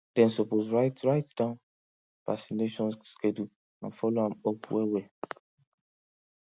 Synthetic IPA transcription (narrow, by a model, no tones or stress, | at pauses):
d̥ɛ̃nsɔposɹaɪtɹaɪtd̥ãʊ̃n | v̥asineʃɔ̃nsskʰedu | ã̰nfɔloãmɔpʰwɛwɛ